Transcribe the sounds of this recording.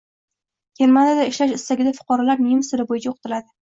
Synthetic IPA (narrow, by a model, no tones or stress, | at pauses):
kʰʲeɾmanad̪aɪʃlaʃɪst̪aɡʲɪd̪afʊ̥qɒɾalaɾmijmsɪɾɪbojɪt͡ʃʰaoqʰɨ̥t̪ʰɪlad̪ɪ